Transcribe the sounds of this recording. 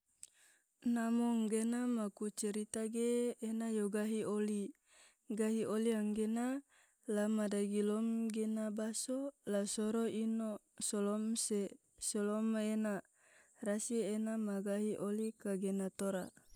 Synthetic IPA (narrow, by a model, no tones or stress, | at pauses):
namɔŋɡenamakut͡ʃɛɾit̪aɡeːnajoɡaɦioli | ɡaɦioliaŋɡena | lamadaɡilɔmɡenabasolasoɾoinosolɔmse | solomena | rasienamaɡaɦiʔolikaɡenat̪oɾa̰